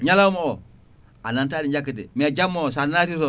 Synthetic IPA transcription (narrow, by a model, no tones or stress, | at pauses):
ɲalamo | anantadid͡ʒakːidḭmed͡ʒamːos̬anatiɾo